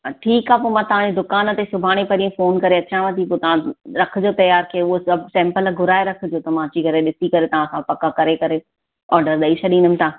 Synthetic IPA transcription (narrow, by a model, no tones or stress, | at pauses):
ʈʰiːkaːpoːmãt̪ɐʋ̤ãd͡ʑed̪ʊkaːnət̪esʊbʱaːɽ̃epɐɾiẽfoːnkɐɾeɐt͡ɕãʋə̃t̪ipoːt̪ɐʋ̤ãɾɐk̆ʰd͡ʑoːt̪ɐjaːɾkʰɐeʊɦosɐbsɛ̃ːmpəlɡʱʊɾaːeɾɐkʰd͡ʑoːt̪ɐmãd͡ʑiɡʱɐɾeɗɪsikɐɾet̪ɐʋ̤ãsãpɐkakɐɾekɐɾe | ɔːɾɖəɾɗɐit͡ɕʰɐɗĩːnʊmɪ̃t̪ʰaː